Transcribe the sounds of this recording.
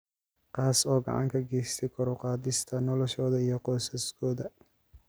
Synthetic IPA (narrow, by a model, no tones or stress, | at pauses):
qɑːsɔːɡɑ̰ʕɑ̰ŋkʰɐɡɛjst̪ʰɛkʰɔɾʊqɑːd̪ɪst̪ʰɐnɔlɔʃɔːðɐijɞqɔsɐskʰɔːðɐ